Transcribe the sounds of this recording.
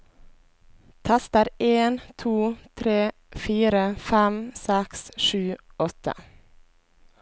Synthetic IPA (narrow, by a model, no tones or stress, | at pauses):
t̪ʰæst̪əɾeːnt̪ʰuːt̪ʰɾeː | fiːɾəfæmsɛksʃʉːɔt̪ə̰